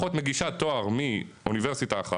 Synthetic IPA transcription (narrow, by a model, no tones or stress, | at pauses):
ot̪meɡiʃat̪oaʁmiuniveʁsitaːχa